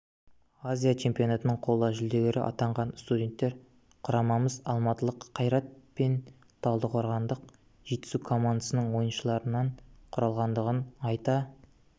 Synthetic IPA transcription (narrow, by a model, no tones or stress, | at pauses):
azʲijat͡ʃʰe̞mpijo̞nat̪ənəɴqʰo̞lˠʒʏld̪e̞ɡʲeɾɪʔɑ̰t̪ɑɴʁɑnst̪udʲe̞nt̪ːe̞ɾ | qʰʊɾɑmɑməzɑlˠmɑt̪əlˠəqʰːɑjɾɑt̪̚pe̞n | t̪ʰɑlˠd̪əqʰoɾʁɑnd̪əq | ʒ̥e̞t̪ːɪ̥sukʰo̞mand̪əsənəɴwo̞jənʃəlˠɑɾənɑɴqʰʊɾɑlˠʁɑnd̪əʁənɑjt̪ɑ